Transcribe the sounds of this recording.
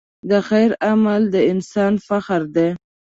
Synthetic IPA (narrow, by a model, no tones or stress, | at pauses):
d̪əxajɾamald̪əɪnsɑnfaxɾd̪e